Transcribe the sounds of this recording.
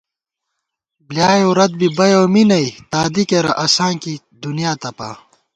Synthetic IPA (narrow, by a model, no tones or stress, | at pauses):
bljaːjowɾɐd̪̚bibɐjoːminɐjt̪aːd̪ikeɾɐʔɐsãːnki | d̪unjaːt̪ɐpa̰ː